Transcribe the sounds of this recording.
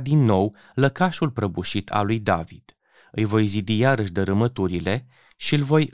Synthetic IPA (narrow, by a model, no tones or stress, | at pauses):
d̪inːo̞w | ləkaʃulpɾəbuʃit̪ʰa̰lujd̪avid̪̥ | ɨjvo̞jzid̪ijaɾəʃʲd̪əɾɨmət̪uɾile̞ | ʃiɨlvo̞j